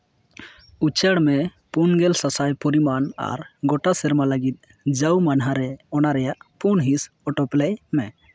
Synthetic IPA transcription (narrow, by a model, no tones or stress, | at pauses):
ut͡ʃəɽmɛ | punɡɛlsasajpɔɾimana̰ɾɡɔʈasɛɾmaləɡit̪̚ˀ | d͡ʒawmanɦaɾɛɔnaɾɛjaʔpunɦis | ɔʈɔplɛjmɛ